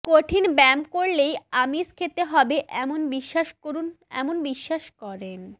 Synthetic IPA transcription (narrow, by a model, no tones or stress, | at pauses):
koʈʰinbɛmkoɾlejamiskʰet̪eɦɔbeʔɛmonbiʃːaʃkoɾun | ɛ̰monbiʃːaʃkɔɾen